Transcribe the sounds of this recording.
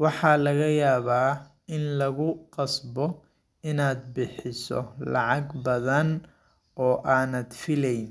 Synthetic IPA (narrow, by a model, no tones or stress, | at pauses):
wɑħɑːlɐɣɐjaːβaː | ɪnlɐɣʊqɑsbɔ | ɪnaːd̪bɪħɪsɔ̰lɑ̰ʕɑɡbɐðɐn | ɔːʔaːnɐd̪fɪlɛjn